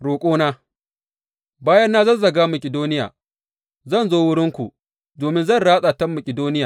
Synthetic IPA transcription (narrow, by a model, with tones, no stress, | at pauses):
ɽoː˨kʷʼoː˦naː˦ | baː˦jɐ˦nːaː˦zɐ˦˨nzɐ˨ɡaː˦mɐ˨kʲɪ˨doː˦nɪ˦ja̰ː˨ | zɐ˦˨nzoː˦wʊ˦ɽɪ˦ŋkʷu˨ | doː˨mɪ˦nzɐ˦˨nɽaː˦sʼaː˨tɐ˦mːɐ˨kʲʼɪ˨doː˦nɪ˦jaː˨